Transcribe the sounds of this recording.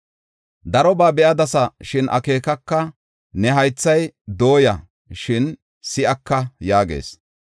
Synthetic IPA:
d̪ɐɾɔbaːbɛʔɐd̪ɐsɐʃɪnʔɐ̰ke̞ːkɐkːɐ | nɛɦɐjt͡sːɐjd̪o̞ːjɐ | ʃɪn | sɪʔɐkːɐjaːɡḛːs

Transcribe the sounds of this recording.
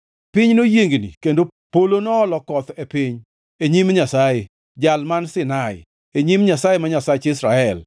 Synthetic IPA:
pɪɲnojeŋɡnḭkendopolonɔːlɔkɔt̪epɪɲ | eɲimɲasaje | d͡ʒalmansɪnaɪ̰ | eɲimɲasajemaɲasajt͡ʃɪsɾaɛl

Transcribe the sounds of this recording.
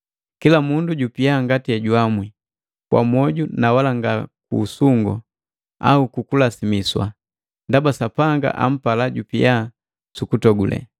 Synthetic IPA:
kilamunduɟupijaŋɡatijaɟwamwi | kwa̰mwɔɟunawalaŋɡakṵːsuŋɡɔ̰ | a̰ukukulasimiswa̰ | ndabasapaŋɡa̰ʔa̰m̩palaɟupija | sukutɔɡulʔɛ̰

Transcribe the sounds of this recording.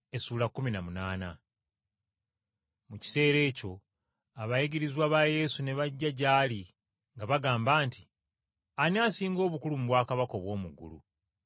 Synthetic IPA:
e̞suːlakːuminamunaːna̰ | muci̥se̞ːɾe̞ːco̞ | aβajiɡiɾizwaːβaje̞ːsune̞βaɟːaɟaːli | ŋɡaβaɡaːmbaːnti | aniaːsiːŋɡo̞ːβukulumuβwaːkaβako̞βwo̞ːmuɡṵlṵ

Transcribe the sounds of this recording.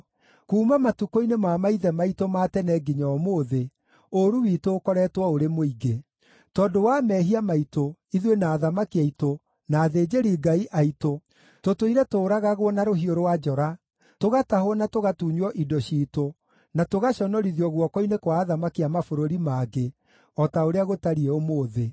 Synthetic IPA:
kuːmamatukoinemaːmaiðɛmaitomaːtɛnɛɡiɲɔːmoːðe | oɾuwitoːkɔɾɛtwɔoɾemoiɡe | tɔːdowamɛɦiamaitoiðwenaːðamakiaito | naːðeːd͡ʑeɾiɡaiʔaito | totoiɾɛtoːɾaɣaɣwɔnaɾoɦioɾowad͡ʒɔɾa | toɣatahwɔnatoɣatuɲɔʔidɔɕiːto | natoɣaɕɔnɔɾiðjɔɣwɔkɔinekwaːðamakiamafoɾoɾimaɡe | ɔtaoɾeaɣotaɾiɛomoːðe

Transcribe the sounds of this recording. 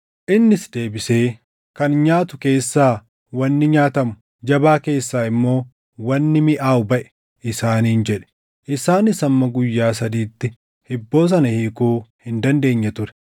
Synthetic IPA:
ʔɪnːɪsd̪e̞ːbɪse̞ː | kɐnɲaːt̪ʊke̞ːsːaː | wɐnːɪɲaːt̪ɐmʊ | d͡ʒɐbaːke̞ːsːaːɪmːo̞ː | wɐnːɪmɪʔaːʊbɐʔɛ̥ | ʔɪsaːniːnd͡ʒɛᶑɛ̥ | ʔɪsaːnɪsɐmːɐɡʊjːaːs̬ɐd̪iːt̪ːɪ | hɪbːo̞ːs̬ɐnɐhiːkuːhɪnd̪ɐnd̪e̞ːɲːɛt̪ʊɾɛ̥

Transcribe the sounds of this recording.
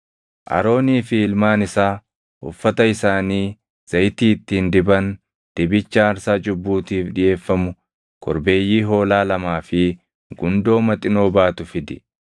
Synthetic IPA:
ʔɐ̰ɾo̞ːniːfɪɪlmaːnɪsaː | hʊ̰fːɐt̪ɐɪsaːniː | z̥ɐjt̪iːɪt̪ːiːnd̪ɪbɐn | d̪̥ɪbɪt͡ʃːɐːɾsaːd͡ʒʊbːuːt̪iːfᶑɪje̞ːfːɐmʊ | kʰɔɾbe̞ːjːiːɦo̞ːlaːlɐmaːfɪ | ɡʊnd̪o̞ːmɐt̪ʼɪno̞ːbaːt̪ʊfɪd̪ɪ

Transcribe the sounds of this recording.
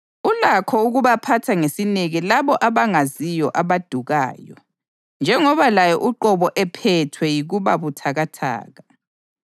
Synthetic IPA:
ulakʰɔuɣuβapʰatʰaŋesineɣilaβɔʔaβaŋazijɔʔaβad̥ʱuɣa̰ːjɔ̰ | nd͡ʒʱɛŋɔβalajɔʔuǃɔβɔʔɛpʰɛtʰwɛjiɣuβaβutʰaɣatʰa̰ːɣa

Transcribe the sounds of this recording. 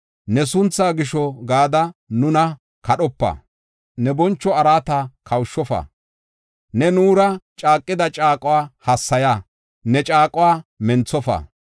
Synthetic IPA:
nɛsʊnt͡sːaːɡɪʃɔɡaːd̪ɐnʊnɐ | kɐɗɔpːɐ̰ː | nɛbɔnt͡ʃːɔɐɾaːt̪ɐkʰɐwʃːɔfɐ̰ | nɛnuːɾɐt͡ʃʼaːkʼːɪd̪ɐt͡ʃʼaːkʼʊwaːhɐsːɐjaː | nɛt͡ʃʼaːkʼʊwaːmɛnt͡sːɔfɐ̰ː

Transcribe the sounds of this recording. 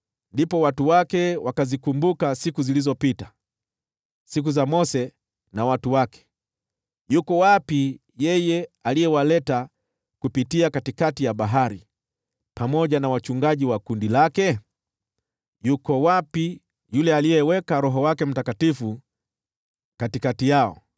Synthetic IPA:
ndipɔwatuwakɛwakazikumbukasikuzilizɔpita | sik̬uzamɔsɛ | nawatuwakɛ̥ | jukɔwapi | jɛjɛalijɛwalɛta | kupitiakatikatijaɓaɦaɾi | pamɔʄanawat͡ʃuŋɡaʄiwakundilakɛ | jukɔwapi | julɛalijɛwɛkaɾɔɦɔwakɛm̩takatifu | katikatijaɔ̰

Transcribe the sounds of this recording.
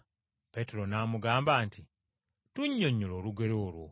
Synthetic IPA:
pe̞teɾo̞naːmuɡaːmbaːnti | tuɲːo̞ɲːolo̞ːluɡe̞ɾoːlwo̰

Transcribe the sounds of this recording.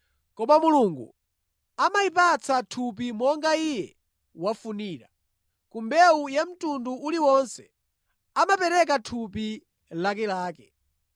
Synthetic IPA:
kɔmamuluŋɡṵ | amaipat͡satʰup̬imɔŋɡaijɛ | wafuniːɾa | kumbɛujam̩tunduuliwɔnsɛ̥ | amapɛɾɛk̬atʰupi | lak̬ɛlaːkɛ̥

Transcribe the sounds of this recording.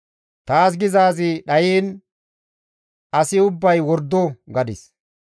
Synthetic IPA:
t̪aːs̬ɡɪzaːzɪɗɐjiːn | ɐsɪʊbːɐjwɔɾd̪ːɔɡɐd̪ɪs

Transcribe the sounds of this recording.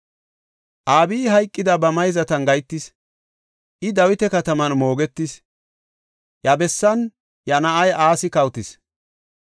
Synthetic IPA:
ʔaːbiːɦɐjkʼːɪd̪ɐbɐmɐjzɐt̪ɐnɡɐjt̪ːɪs | ʔɪd̪ɐwɪt̪ɛkɐt̪ɐmɐnmo̞ːɡɛt̪ːɪs | jɐbɛsːɐn | jɐnɐʔɐjaːsɪkɐwt̪ɪs

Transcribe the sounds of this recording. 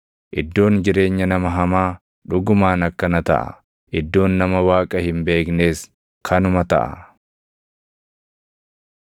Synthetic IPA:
ʔɪd̪ːo̞ːnd͡ʒɪɾe̞ːɲːɐnɐmɐɦɐmaː | ᶑʊɡʊmaːnɐkːɐnɐt̪ɐ̰ʔɐ̰ | ʔɪd̪ːo̞ːnːɐmɐwaːkʼɐhɪmbe̞ːkne̞ːs | kʰɐnʊmɐt̪ɐ̰ʔɐ̰

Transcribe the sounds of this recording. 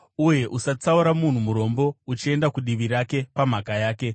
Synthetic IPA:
uje̞ʔusat͡sauɾamun̤umuɾo̞mbo̞ut͡ʃie̞ndakuɗiʋiɾake̞pam̤akajaːke̞

